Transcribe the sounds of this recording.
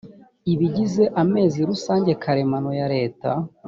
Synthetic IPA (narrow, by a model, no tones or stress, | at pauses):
iβiɟize̞ʔame̞ːziɾusaːɲɟe̞kʰaɾe̞mano̞jaɾe̞ːta